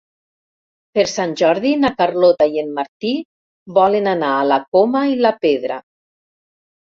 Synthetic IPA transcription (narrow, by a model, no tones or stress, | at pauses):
peɾsanʲʒɔɾðinakaɾlot̪aienmaɾt̪i | bɔlenanaːlakomailapeðɾa̰